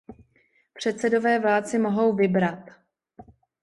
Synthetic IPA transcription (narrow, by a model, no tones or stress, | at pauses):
pr̝̥ɛt̪t͡sɛdo̞vɛːvlaːlt͡sɪmo̞ɦo̞wvɪbɾat̪